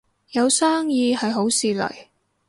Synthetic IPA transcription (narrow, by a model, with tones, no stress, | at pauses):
jɐ˨˧wsaː˥ŋjiː˧hɐ˨jɦo˨˥wsiː˨lɐ̰˨˩j